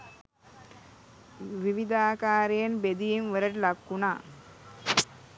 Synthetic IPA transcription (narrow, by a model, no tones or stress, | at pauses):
ʋiʋid̪aːkaːɾejɐnbed̪ijinʋəɾəʈlakːunaː